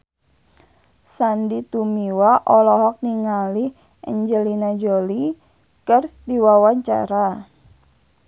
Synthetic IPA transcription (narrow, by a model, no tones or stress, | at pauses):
sandit̪umiwaʔɔlɔɦɔk̚niŋalɪh | ə̰ɲd͡ʒəlinad͡ʒoli | kərdiwawaɲt͡ʃa̰ɾa